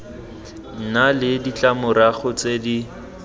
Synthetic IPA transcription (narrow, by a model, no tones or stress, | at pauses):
n̩nalɪdit͡ɬʼamʊɾaɣʊt͡sedi